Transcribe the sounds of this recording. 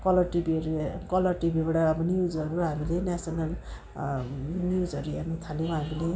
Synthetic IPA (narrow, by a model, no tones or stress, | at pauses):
kʌlʌʈibɾkʌlʌrʈibibaɽaːbʌnjud͡zʌɾuɦamilenasʌnal | njud͡zʌɾuanut̪ʰaljw̃ɦamile